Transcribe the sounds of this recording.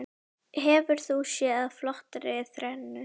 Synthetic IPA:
ɦɛvʏɾ̥θusjɛːaðflɔht̪aɾɪɪθɾɛnːʏ

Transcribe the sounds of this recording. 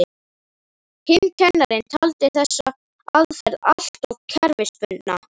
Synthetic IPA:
ɪ | hɪncʰɛnːaɾɪnt̪ʰalt̪ɪθɛsːa | aðfɛɾðal̥tt̪ɔɣcʰɛɾvɪspʏnt̪na̰

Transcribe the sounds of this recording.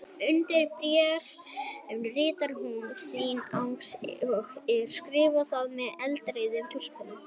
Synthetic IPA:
ʏnt̪ɪɾpɾjɛɾɛvnrɪːt̪aɾmunθinawŋks | ɛ̥skɾɪːvaθaðmɛðɛlt̪ɾeːðɪmt̪ʰur̥spanɪ

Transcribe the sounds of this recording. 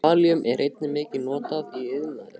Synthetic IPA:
aːliʏmʔɛɾʔejt̪̚nɪmɪːcɪnɔːt̪aðiʏðlanðɪ

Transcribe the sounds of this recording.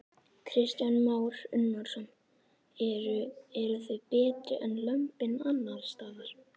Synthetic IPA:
kʰɾɪst̪janmaːwɾʏnːɔɾ̥sɔn | ɾʏɛɾʏθœðpɛːt̪ɾɪʔɛnlœmpɪnanːalst̪aːðaɾ̥

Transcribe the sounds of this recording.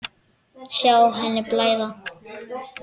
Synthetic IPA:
ʃjawɦɛnːɪplaːjða

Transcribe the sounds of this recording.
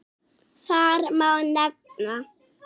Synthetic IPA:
saɾmawndak̚na

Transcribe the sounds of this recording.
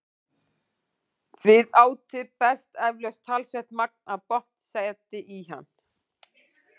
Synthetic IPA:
vɪðaːwt̪ɪpɛ̥st̪ɛvlœst̪ʰalsɛht̪mak̚naðpɔht̪sejt̪ɪʔiɦa̰nː

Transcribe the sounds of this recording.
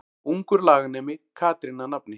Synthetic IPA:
uŋkuɾlaːɡnemikʰaːt̪iɾinɐnɐpni

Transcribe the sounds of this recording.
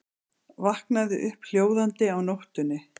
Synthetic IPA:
vahknaðɪʔʏhpl̥joːwðant̪ɪawnowht̪ʏnːɪ

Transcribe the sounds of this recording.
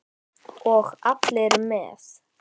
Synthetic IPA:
ɔɣapʰleɾmɛ̰ːθ

